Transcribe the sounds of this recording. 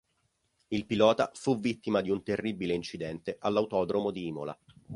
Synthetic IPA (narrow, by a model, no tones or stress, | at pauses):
ilpilɔːt̪afuvːit̪ːimad̪iunt̪erːibileint͡ʃid̪ɛnt̪eʔalːawt̪ɔːd̪ɾomod̪iiːmo̰la̰